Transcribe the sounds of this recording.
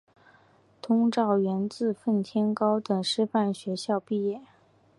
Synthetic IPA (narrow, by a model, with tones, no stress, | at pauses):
t̪ʰʊ˥ŋʈ͡ʂɑ˥˩ʊɥɛ˧˥nt͡sɹ̩˥˧fə˥˩nt̪ʰjɛ˥nkɑ˥ʊt̪ɤ˨˩ŋʂɻ̩˥fa˥˩nɕɥɛ˧˥ɕjɑ˥˧ʊpi˥˧jɛ˥˩